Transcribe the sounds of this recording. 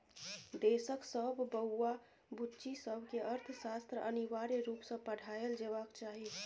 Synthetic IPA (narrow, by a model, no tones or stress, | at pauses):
d̪esəksəbːəɦua | but͡ʃisəbʱkeʔəɾt̪ʰsast̪ɾəʔəniʋaɾeɾupsə̃pəɽ̤ʱaeld͡ʒebakt͡ʃaɦi